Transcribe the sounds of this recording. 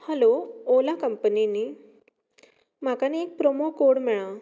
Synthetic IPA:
həloolakəmpəniniː | m̤akaniek̚pɾomokoɽmɛɭa

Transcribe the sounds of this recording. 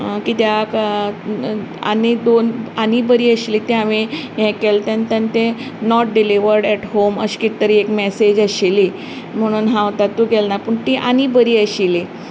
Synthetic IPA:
kiːt̪jak | a̰nid̪onanibəɾiːəɕiliːt̪eaʋijɛ̃kelt̪jãnt̪jant̪e | nɔʈ̚ɖiliʋəɾɖɛʈɦoməɕkit̪ːəɾiːekmɛsed͡ʑəɕili | m̤əɽ̃uːnɦãʋt̪at̪ːuɡɛlnapəɳt̪iʔañibəɾiːəɕili

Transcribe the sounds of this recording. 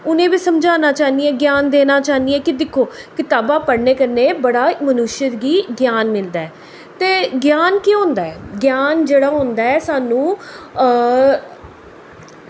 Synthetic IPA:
ʊnẽːʋiːsəmd͡ʒaːnaːt͡ʃaːniɛ̃ːɡjaːnd̪eːnaːt͡ʃaːnd̪iɛ̃ːkɪd̪ɪkʰːoːkɪt̪aːbãːpəɽneːkəɾneːbəɽaːmənʊʃjət̪ɡiːɡjaːnmɪld̪aːɛː | t̪eːɡjaːnkiɦõːnd̪aːɛːɡjaːnd͡ʒeːɽaːɦʊ̃ːnd̪aːɛːsaːnũː

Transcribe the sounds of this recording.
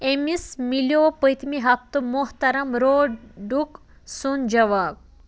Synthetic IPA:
emismiljoːpəjt̪miɦɐft̪ɨmʊɦt̪ɐɾɐmɾoːɖuk | sund͡ʒɐʋaːɡ̚

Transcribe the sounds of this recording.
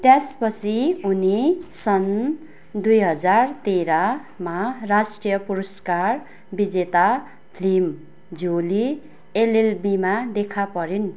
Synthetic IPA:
t̪jaspʌt͡sʰiunisʌn | d̪ujɦʌd͡zart̪eɾa | marasʈrijʌpuɾʌskar | bid͡zet̪a | pʰlim | d͡zʱoli | elelbimad̪ekʰapʌɾin

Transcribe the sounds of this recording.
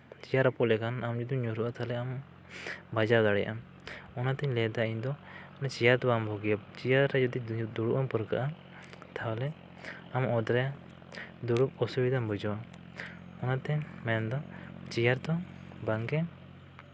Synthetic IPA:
t͡ʃijaɾapɔlɛkanamd͡ʒud̪iɲɔɾuʔat̪ʰalɛam | bad͡ʒad̪aɽɛja̰ʔa | ɔnat̪ɛɲlɛd̪aind̪ɔnɛt͡ʃijaɾt̪ɔbambʱɔɡijat͡ʃijaɾɾɛd͡ʒɔd̪id̪uɽuʔampəɾka̰ʔa | t̪ʰawlɛ | amɔd̪ɾɛa | d̪uɽup̚ɔsubid̪ambʱud͡ʒɔwa | ɔnat̪ɛmɛnd̪ɔt͡ʃijaɾt̪ɔbaŋkɛ

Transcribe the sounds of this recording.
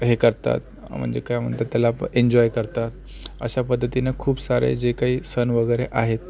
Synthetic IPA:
ɦekəɾt̪a̰t̪ | m̤ə̰ɳd͡zḛkajm̤ə̰ɳt̪at̪ːjalapəeɲd͡ʑɔjkəɾt̪at̪ | ə̰ɕapəd̪ʱːət̪inekʰuːbsaɾḛd͡ʑekaɦiːsənʋəɡəjɾeʔaɦet̪

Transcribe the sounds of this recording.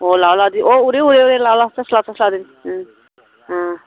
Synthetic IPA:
olawlad̪iʔouɾeuɾeuɾelawlat͡sʌslat͡səslad̪in | ɦã

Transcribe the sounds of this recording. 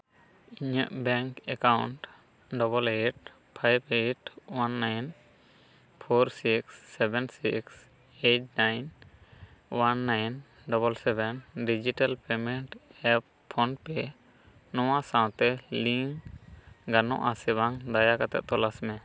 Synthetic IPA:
iɲəʔbɛŋkɛkawɳʈ | ɖɔbɔleʈ̚ | pʰajbeʈwanːajn | pʰɔɾsiksːɛbɛnsḭks | eʈ̚najn | wanːajn | ɖɔbɔlsɛbɛnɖid͡ʒiʈalpɛmɛɳʈɛpʰːɔnpɛ | nɔwasãw̃t̪ɛliŋ | ɡanɔ̰̃ʔasɛbaŋd̪ajakat̪ɛ̰ʔ̚t̪ɔlasmɛ

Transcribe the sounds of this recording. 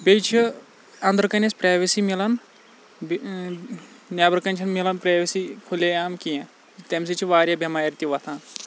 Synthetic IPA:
bʲejt͡ʃʰi | ɐnd̪ɾkɐnʲɐspɾaːʋisimilɐn | b | njaːbɐɾkɐnʲt͡ʃʰɐnmilɐnpɾaːʋisikʰuleaːmkijẽ | t̪ɐms̬it͡ʃʰiʋaːɾjɐbʱjɐmaːjɾt̪iʋɐt̪ʰãː

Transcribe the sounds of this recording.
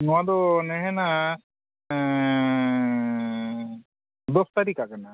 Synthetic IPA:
nad̪onɛɦɛna | d̪ost̪aɾikakana

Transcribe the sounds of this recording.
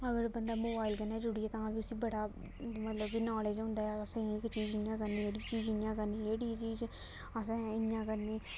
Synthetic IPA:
əɡəɾbənd̪aːmoːbaːilkənːɛːd͡ʒʊɽiːɛːt̪ãːbiʊsiːbəɽaː | mət̪ləbɡiːnɔːleːd͡ʒɦʊ̃nd̪aːɛəsãːɪkt͡ʃiːd͡ʒɪjãːkəɾniːeːɽiːt͡ʃiːd͡ʒɪnjãːkəɾniːeːɽiːt͡ʃiːd͡ʒ | əsãːɪjãːkəɾniː

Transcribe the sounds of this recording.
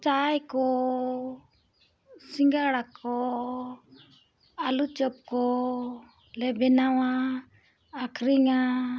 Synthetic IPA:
t͡ʃajkɔ | siŋɡaɽakʰɔ | alut͡ʃɔp̚kɔ | lɛbɛnawaː | kʰɾiŋa

